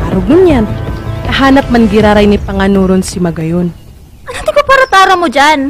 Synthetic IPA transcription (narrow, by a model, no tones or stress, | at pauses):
aɾoɡʊɲːankɐɦaːnɐp̚mɐnɡɪɾaːɾɐjnɪpɐŋanuːɾonsɪmɐɡɐjon | ʔɐnat̪ɪkopaːɾɐt̪aːɾɐmod͡ʒan